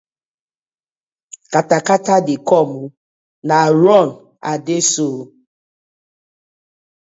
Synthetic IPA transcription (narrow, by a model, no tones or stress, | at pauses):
katakatadikɔmu | naɾɔn | adesoː